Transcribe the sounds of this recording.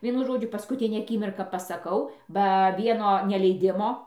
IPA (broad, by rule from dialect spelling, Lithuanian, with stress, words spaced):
ˈʋʲiɛnʊ ˈʒoːd͡ʒʲʊ pɐskʊˈtʲɪnʲæː ɐˈkʲɪmʲɪrkɑː pɐsɐˈkɐʊ bɐ ˈʋʲiɛnoː nʲɛlʲɛɪˈdʲɪmoː